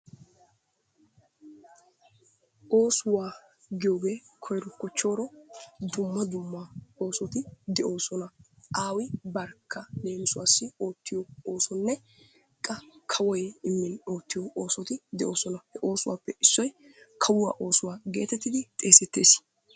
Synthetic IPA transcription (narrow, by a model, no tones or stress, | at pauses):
ʔo̞ːsʊwaː | ɡɪjo̞ːɡe̞ːkʰɔjɾɔkːɔt͡ʃːo̞ːɾɔd̪ʊmːɐd̪ʊmːao̞ːsɔt̪ɪd̪ɛʔo̞ːsɔnɐʔaːwɪbɐɾkʰːɐd̪e̞ːnɪsʊwaːsːɪo̞ːt̪ːɪjɔoːsɔnːɛ | kʼːɐkʰɐwɔjɪmːɪno̞ːt̪ːɪjɔʔoːsɔt̪ɪd̪ɛʔo̞ːsɔnɐhɛʔo̞ːsʊwa̰ːpːɛʔɪsːɔjkʰɐwʊwa̰ːʔo̞ːsʊwaːɡe̞̰ːt̪ɛt̪ːɪd̪ɪt̪ʼe̞ːsɛt̪ːe̞̰ːs